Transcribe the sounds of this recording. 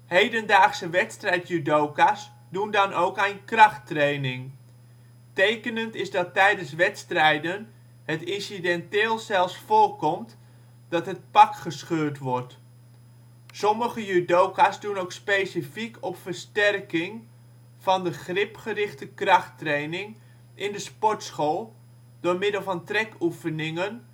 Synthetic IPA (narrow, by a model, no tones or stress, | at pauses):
hejdəndaːχsəʋɛtstrɛjtjydowkas | dundɑnowkɛjnkrɑχtrejnɪŋ | tejkənəntɪzdɑtɛjdənsʋɛtstrɛjdən | hətɪnsidɛntɪːlˠsɛlˠfsfʊːrkɔmt | d̥ɑtɦət̚pɑkχəsχøːrtʋɔrt | sɔməχəjydowkasdunowkspejsifikɔpfərstɛrkɪŋ | v̥ɑndəχrɪpχərɪχtəkrɑχtrejnɪŋ | ɪndəspɔɹtsχoːlˠ | d̥ʊːɹmɪdəlˠvɑntrɛkufənɪŋən